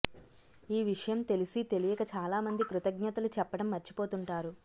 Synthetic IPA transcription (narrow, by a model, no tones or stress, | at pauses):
iːʋiʂɐjɐmt̪e̞lisit̪e̞lijɐkɐt͡ʃaːlaːmɐnd̪ikɾut̪ɐɡɲɐt̪ɐlut͡ʃɛpːɐɽɐmːɐɾt͡ʃi̥po̞ːt̪uɳʈaːɾu